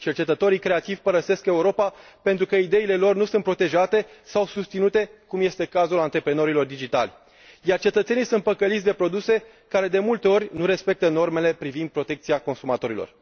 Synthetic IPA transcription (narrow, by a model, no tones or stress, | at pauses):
t͡ʃert͡ʃe̞t̪ət̪o̞ɾikɾe̞at̪iv̥ʲpəɾəse̞ske̞uɾo̞pa | pe̞nt̪ɾukəid̪e̞ile̞lo̞rnusunt̪pɾo̞t̪e̞ʒat̪e̞sawsust̪sinut̪e̞kumje̞st̪e̞kazulant̪ɾe̞pɾeno̞ɾilo̞rd̪id͡ʒit̪alʲ | jart͡ʃe̞t̪ət̪se̞nijsunt̪̚pəkəlit̪ʲd̪e̞pɾo̞d̪use̞ | kaɾe̞d̪e̞mult̪e̞o̞ɾʲnuɾe̞spe̞k̚t̪əno̞rme̞le̞pɾivind̪̚pɾo̞t̪e̞k̚t̪siako̞nsumat̪o̞ɾilo̞̰r